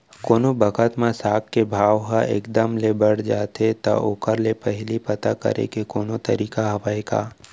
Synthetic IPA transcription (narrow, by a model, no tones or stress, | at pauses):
koːnobɐkət̪mãsaːk̚kebʱaːʋɦaʔḛːkd̪əmlebəɽ̤d͡ʒaːt̪et̪a̰ʔoːkəɾlepɛɦlipɐt̪akɐ̰ɾḛkekoːnot̪ɐɾiːkaɦɐʋaeɡa̰ː